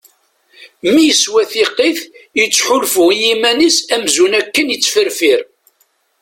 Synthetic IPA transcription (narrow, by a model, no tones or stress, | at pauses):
mijəswæθiqːiθjət͡sːħʊlfʊjimænisæmzunækːənjət͡sːfəɾfiɾ